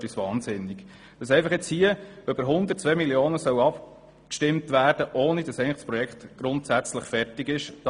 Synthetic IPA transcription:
pisʋɑːnsɪnɪɡ̥ | d̥ɑsɛɪfɑχjɛt͡shiəøbəɾɦʊnd̪ətt͡sʋɛmiljoːnəsœʊɑp | kʃtɪmtvæːɾd̥əʔoːnid̥ɑsɛɪnləd̥spɾɔjɛkχtɡ̥ɾʊntsæt͡sləχfɛrtɪɡɪʃd̥

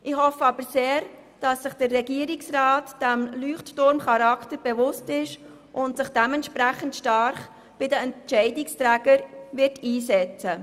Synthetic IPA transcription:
ʔɪhɔfəɑb̥əɾseːɾ | d̥ɑsːɪχd̥ərːɛɡiːəɾɪksraːtd̥ɛmlyːχttʊɾmχɑɾɑktəɾb̥ɛvʊstɪʃ | ʔʊntsɪχd̥ɛmɛntʃpɾæχəntʃtɑɾχ | b̥ɪdəɛnt͡ʃɛɪdɪkstɾæːɡ̥əɾvɪɾtiːsɛt͡sə

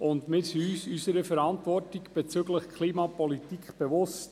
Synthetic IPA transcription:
ʊndmɪɾsiyːsysəɾəfɛɾɑntvɔrtiɡb̥et͡syɡləχkʰliːmɑpɔlitikχb̥eʋʊst

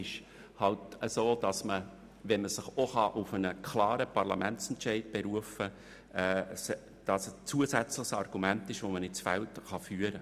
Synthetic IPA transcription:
ɪʃ | hɑltəsoːd̥ɑsmə | ʋɛnməsɪχoχɑʔʊfənəkʰlɑːɾəpʰɑɾlɑmɛnt͡sɛntt͡ʃɛɪdb̥ɛɾuəfə | ɛːs | d̥ɑst͡suːəsɛt͡slɪχsɑrɡ̥umæntɪʃʋomənɪt̚t͡sfɛltχɑfyːəɾə

